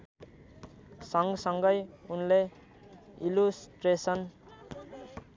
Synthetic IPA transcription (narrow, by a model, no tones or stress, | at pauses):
sʌŋɡsʌŋɡʌjunle | ilusʈresʌn